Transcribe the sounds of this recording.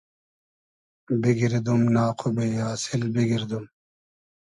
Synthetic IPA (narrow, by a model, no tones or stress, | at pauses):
biɡiɾd̪umnaːqʰubejaːsilbiɡiɾd̪um